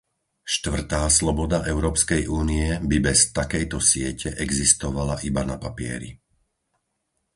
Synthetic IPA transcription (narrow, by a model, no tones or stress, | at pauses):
ʃt̪ʋr̩t̪aːslɔbɔd̪aʔɛʊɾɔːpskɛjʔuːniɛbibɛst̪akɛjt̪ɔsɪɛcʰɛʔɛɡzist̪ɔʋalaʔibanapapɪɛ̰ɾḭ